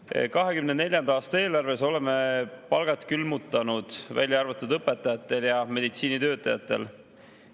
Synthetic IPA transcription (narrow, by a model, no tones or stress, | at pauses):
kɑɦe̞kymnene̞lʲjɑnd̪ɑɑːst̪ɑe̞ːlɑrve̞so̞le̞me̞pɑlɡ̥ɑt̪kylmut̪ːˑɑnud̪̥væ̰lʲjɑɑrvɑt̪ːˑud̪ɤpːˑe̞t̪ːˑɑjɑt̪ːˑe̞ljɑme̞d̪it̪siːnit̪øːt̪ːˑɑjɑ̰t̪ːˑe̞̰l